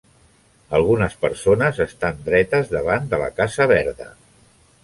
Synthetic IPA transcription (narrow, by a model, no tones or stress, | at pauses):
əlˠɣ̞unəspəɾsonəzəst̪and̪ɾɛt̪əzðəβ̞and̪ələ̰kazəβ̞ɛɾðə̰